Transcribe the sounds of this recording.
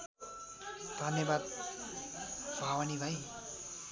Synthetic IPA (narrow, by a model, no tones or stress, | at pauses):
d̪̥ʱʌnjʌbad̪̚ | b̥ʱawanibʱaj